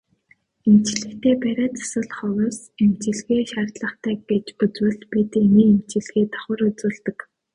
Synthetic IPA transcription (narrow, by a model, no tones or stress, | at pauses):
emt͡ɕ̆ɮɘ̆kt̪ʰeːpæɾʲaːt͡sḁsə̆ɮχɔwʊs | emt͡ɕɪ̆ɮɣeːʃaːrt̪ɮə̆χt̪ʰæːɡet͡ɕput͡swɘ̆ɮpit̪eniːemt͡ɕɪ̆ɮɣeːt̪ʰɔ̥χə̆ɾut͡suːɮt̪ə̆k